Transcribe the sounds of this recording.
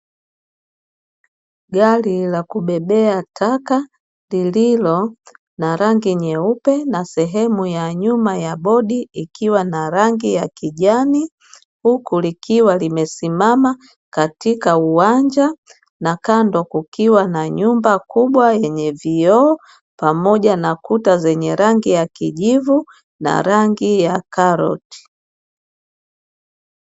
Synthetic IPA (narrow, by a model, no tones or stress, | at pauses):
ɡalilakuɓɛɓɛatʰaka | lililɔ | naɾaŋɡiɲɛupɛnasɛɦɛmujaɲumajaɓɔɗiikiwanaɾaŋɡijakiʄani | hukulikiwalimɛsimama | katikauwaɲd͡ʒa | nakandɔkukiwanaɲumbakuɓwajɛɲɛviɔː | pamɔʄanakutazɛɲɛɾaŋɡijakiʄivu | na̰ɾaŋɡijakaɾɔ̰ti̥